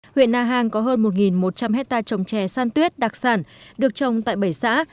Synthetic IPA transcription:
hwḭ˧˨ənːaː˧ɦaː˧ŋkɔ˨˦ɦəː˧nmo˨˩t̚ŋi˨˩nmo˨˩t̚t͡ɕa˧mhɦɛ˦˥t̚t̪aː˧t͡ɕə˨˩wŋ͡mt͡ɕɛ˧˩saː˧nt̪wi˦˥ət̚ɗa˨˩k̚saː˧˩nɗɨ˨˩ək̚t͡ɕə˨˩wŋ͡mt̪a̰ː˧˨jɓə˧˩jsa̰ː˧˥

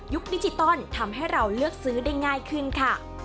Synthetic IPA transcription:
ju˦˥k̚di˧˥˩t͡ɕi˧t̪ɔ˥˩nt̪ʰa˧mɦa˥˩jɾa˧wlɯ˥˩ək̚sɯː˦˥da˥˩jŋaː˥˩jkʰɯ˥˩nkʰa˥˩

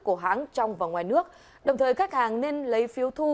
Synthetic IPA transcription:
ku˧˩əɦa̰ː˨˦ŋt͡ɕɔ˧wŋ͡mvaː˨˩ŋwaː˨˩jnɨ˦˥ək̚ | ɗə˨˩wŋ͡mt̪ʰəː˨˩jkaː˦˥k̚haː˨˩ŋne˧nlə˨˦jfi˨˦əwt̪ʰu˧

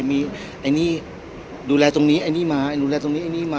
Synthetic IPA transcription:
mi˧ | ʔa˧ni˦ | du˨la˧t̪ʊ˧ŋni˦a˧ni˦ma˨du˧˨la˧t̪ʊ˧ŋni˦a˧ni˦ma

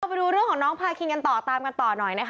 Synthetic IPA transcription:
pa˧jduː˧ɾɯ˥˩əŋkʰɔː˩˦nɔː˦˥ŋpʰaː˧kʰi˧ŋka˧nt̪ɔː˨˩t̪aː˧mka˧nt̪ɔː˨˩nɔ˨˩jna˦˥k

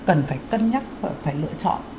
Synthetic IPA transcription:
kə˨˩nfaː˧˩jkə˧nɲa˦˥t̚ːfaː˧˩jlɨ̰˧˨ət͡ɕɔ̰˧˨n

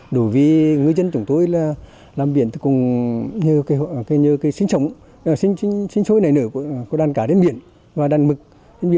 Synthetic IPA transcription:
ɗo˧˩jvi˨˩˦ŋɨ˨˩əjzə˧nt͡ɕʊ˨˧˦ŋ͡mt̪o˧jlaː˨˩ | laː˨˩mɓḭ˧˨ənt̪i˨˩kʊ˨˩ŋ͡mɲɨ˧ka˨˦˧kːɲɨ˧kaː˨˦jsï˧˦ŋ̟sə˨˦wŋ͡m | sï˧˦ŋsi˧˦ŋsï˧˦ŋ̟so˧˦jna˨˩jnɨ˧˦kkɗaː˨˩nkaː˧˩ɗe˧˦nɓḭ˧˨ən | vaː˨˩ɗaː˨˩nmɨ˨˩k̚ | ɗe˧˦nɓḭ˧˨n

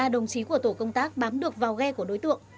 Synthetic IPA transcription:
aː˧˩ɗə˨˩wŋ͡mt͡ɕi˨˦ku˧˩ət̪o˧˩kə˧wŋ͡mt̪aː˦˥k̚ɓaː˨˦mɗɨ˨˩ək̚vaː˨˩wɣɛ˧ku˧˩əɗo˨˦jt̪ɨ̰˧˨əŋ

